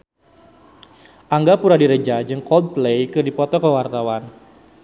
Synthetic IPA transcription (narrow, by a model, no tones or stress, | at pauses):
ʔaŋɡapuɾadiɾed͡ʒad͡ʒɨŋkɔld̪̚plejkɨrdipɔt̪ɔkəwart̪awan